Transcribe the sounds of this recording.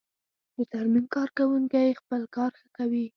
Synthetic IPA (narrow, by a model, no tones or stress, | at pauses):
d̪ət̪aɾmimkɑɾkawuŋkajxpəlkɑɾxəkawi